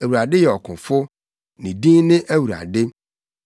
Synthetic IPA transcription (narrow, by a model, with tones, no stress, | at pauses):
æ˨wu˨ɾa˨dɪ˦jɛ˨ɔ˨kʰʊ̃˨fʊ˦ | nɪ̃˨dĩ˦nɪ̃˦ʔæ˦wu˨ɾa̰˨dɪ˦